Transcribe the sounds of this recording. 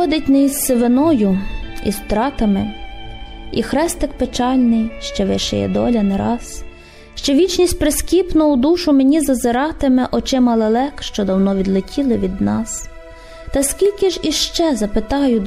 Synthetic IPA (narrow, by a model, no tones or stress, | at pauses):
ɔd̪ɪtʲnɛisːeʋenɔjʊḭst̪ɾɑt̪ɐmɪ | ixɾɛst̪ɪkpet͡ʃɑlʲnɪjʃt͡ʃɛʋɪ̰ʃɛ̰jɛ̰d̪ɔ̰lʲɐnɛɾɑs | ʃt͡ʃɔʋʲit͡ʃnʲisʲt̚ʲpɾeskʲipnʊʊd̪uʃʊmenʲizɐzɪɾɑt̪ɪmɛʔɔt͡ʃɪmɐlˠelˠɛkʃt͡ʃɔd̪ɐwnɔʋʲid̪lˠɪtʲʰilˠɪʋʲid̪nɑs | t̪ɐskʲilʲkɪʒiʃt͡ʃɛzɐpɪt̪ɑjʊ